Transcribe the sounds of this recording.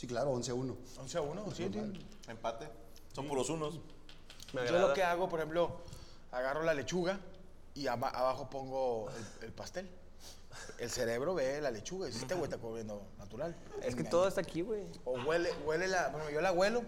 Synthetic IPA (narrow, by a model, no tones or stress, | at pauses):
siklaɾoonseauno | onseaunost̪ | empat̪e | sompolosunos | meaɣɾolokeaɣo̞poɾexe̞mplo̞ | aɣaro̞lale̞t͡ʃuɣa | iaβaʔa̰βaxo̞po̞ŋɡo̞elelpast̪e̞l | else̞ɾe̞βɾo̞βe̞lale̞t͡ʃuɣaisist̪ewejt̪akoβɾjend̪o | nat̪uɾal | eskeoðoest̪akiɣwej | oɣweleɣwe̞lelapoɾexempoolaɣwe̞lo̞